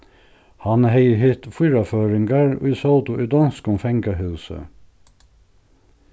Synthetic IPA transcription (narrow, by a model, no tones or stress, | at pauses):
hɑnheɪəɦiːt̪fyːɾɑføːɹɪŋɡɑɹ̰iːsɔld̪ʊʔiːd̪ɑnskʊmfɛŋɡəhʉʉsə̰